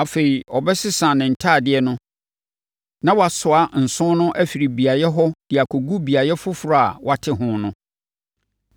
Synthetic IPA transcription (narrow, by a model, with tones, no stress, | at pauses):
a˨fe˨i˨ɔ˨bɛ˦sɪ˦sã˨nɪ̃˨n̩˨tʰaː˦˨dɪ˨ɛ˦nʊ̃˦ | nã˦wɔ˦a˨sʊ˨a˦n̩˨sʊ̃˦nʊ̃˦ʔæ˦fi˨ɾi˨bi˨a˨jɛ˦ɦɔ˦d̥ɪ˨a˨kʰo˨ɡu˦bi˨a˨jɛ˦fʊ˦fʊ˨ɾʊ˨a˨wa˨tʰɪ˦ɦʊ̃˦nʊ̃˦